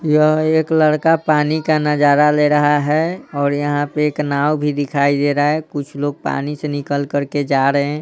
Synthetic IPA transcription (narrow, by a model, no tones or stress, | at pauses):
jəɦeːkləɽkapaːnikanəd͡ʒaɾaleɾəɦaɦɛɔːɾjəɦãpeeknaːwbʱid̪ɪkʰaːid̪eɾaɛkʊt͡ʃʰloːɡ̚pa̰ːnisenɪkəlkəɾked͡ʒaɾəɦɛ̃ː